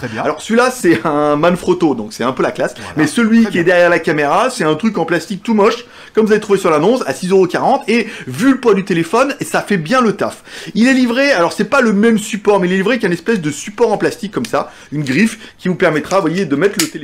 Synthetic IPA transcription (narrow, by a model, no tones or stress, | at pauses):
alɔʁsilasɛɛ̃manfχot̪od̪ɔ̃ksɛt̪ɛ̃pølaklasmɛsəlɥikʲiɛd̪ɛʁjɛʁlakameʁasɛɛ̃t̪χykɑ̃plast̪ik̚t̪umɔʃ | kɔmvuzavet̪χuvesyʁlanɔ̃sa̰sizøʁokaʁɑ̃t̪evyləpwad̪yt̪elefɔnesafɛbjɛ̃lət̪a̰filɛlivʁealɔʁsɛpaləmɛmsypɔʁmɛilɛlivʁekjaynɛspɛsd̪əsypɔʁɑ̃plast̪ikʰːɔmsa | ynɡʁifkʲivupɛʁmɛt̪χavwajed̪əmɛt̪χlət̪el